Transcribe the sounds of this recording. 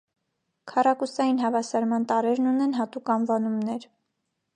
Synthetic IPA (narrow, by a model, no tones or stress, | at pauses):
kʰɑrɑkusɑjinɦɑvɑsɑɾmɑnt̪ɑɾɛɾnunɛnɦɑt̪ukɑnvɑnumnɛɾ